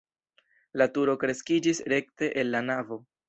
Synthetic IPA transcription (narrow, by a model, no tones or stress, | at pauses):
latuɾo̞kɾe̞skid͡ʒisɾe̞kte̞ʔenːanavo̞